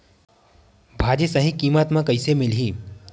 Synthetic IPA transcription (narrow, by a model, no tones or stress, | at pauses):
bʱaːd͡ʑesəɦĩkiːmət̪mãkəɪsemɪlɦiː